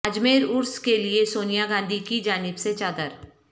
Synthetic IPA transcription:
ɐd͡ʒmeːɾʊɾskeliesoːnijaɡãːnd̪ʱikid͡ʒaːnɪbset͡ʃaːd̪əɾ

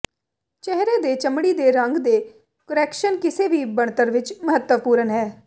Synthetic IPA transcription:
t͡ʃɛɦɾeːd̪eːt͡ʃəmɽiːd̪eːɾəŋɡd̪eː | kəɾɛːkʃənkɪseːʋiːbəɳt̪əɾʋɪt͡ʃməɦət̪wəpuːɾənɦɛː

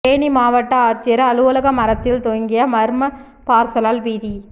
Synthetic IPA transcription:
eːnimaːʋɐʈːɐaːɾt͡ʃɪjɐɾɐɐlɯʋɐlɐɣɐmɐɾɐt̪ːɪlt̪oŋɡɪjɐmɐɾmɐ | paːɾsɐlaːlʋiːði

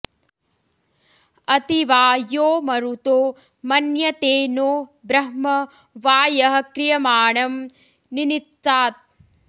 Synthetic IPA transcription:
ɐt̪iʋaːjoːmɐɾut̪oː | mɐnjɐt̪eːnoːbɾɐɦmɐ | ʋaːjɐɦɐkɾijɐmaːɳɐm | ninit̪ːaːt̪̚

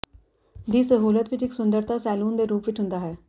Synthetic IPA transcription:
d̪iːsəɦuːlət̪ʋɪt͡ʃɪksʊnd̪əɾt̪aːsɛːluːnd̪eːɾuːpʋɪt͡ʃɦʊ̃nd̪aːɦɛː

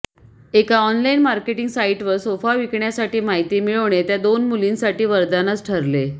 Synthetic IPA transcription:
ekaɔnlainmaɾkeʈiŋɡsaiʈʋəɾsofaʋikɳjasaʈiːmaɦit̪iːmiɭoɳ̃et̪jad̪onmulinsaʈiːʋəɾd̪anət͡sʈʰəɾle

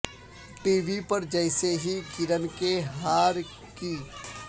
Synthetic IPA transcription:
ʈiːʋipɐɾd͡ʒəɪseɦiɡɪɾəmkeɦaːɾ | kiː

